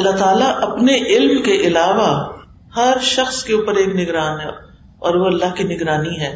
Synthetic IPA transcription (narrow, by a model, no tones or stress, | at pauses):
ɐlːat̪aːlaʔɐpneʔɪlmkeʔɪlaːʋa | hɐɾʃɐxskeuːpəɾeːknɪɡɾaːnɦɛ | ɔːɾʋoɐlːaɦkinɪɡɾaːniɦɛː